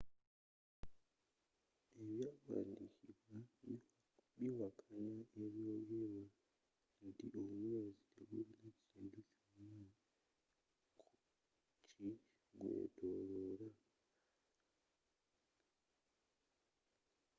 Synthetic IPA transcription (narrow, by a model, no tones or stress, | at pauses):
e̞βjaːkwa̰ːndiciβwa | βiwakʰaɲaʔeβjojeβa | ntiʔomwezieɡunecinducama | ku | ci | ɡwḛtoɾoɾa